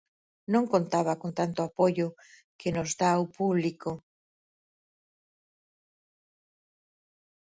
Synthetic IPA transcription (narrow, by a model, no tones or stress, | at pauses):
nõŋkont̪aβɐkont̪ant̪ʊapojʊ | kenozðaopuβliko